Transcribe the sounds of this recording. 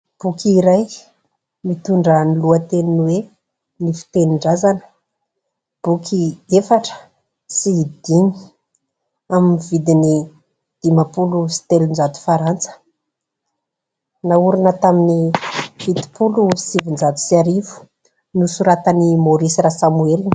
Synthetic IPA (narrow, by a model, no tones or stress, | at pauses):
b̥ukʲiɾaj | mit̪uɳɖ͡ʐəniluət̪eninwe | nifi̥t̪eniɳɖ͡ʐazanə̥ | b̥ukʰiefaʈ͡ʂə̥ | sid̪̥ini̥ | aminivid̪ini | d̪̥imapulusi̥t̪elund͡ʒat̪u̥faɾant͡sə̥ | nauɾunət̪aminivid̪i̥pulufi̥sivind͡ʒat̪u̥siaɾivu̥ | nusuɾat̪animoɾisiɾasamuelini̥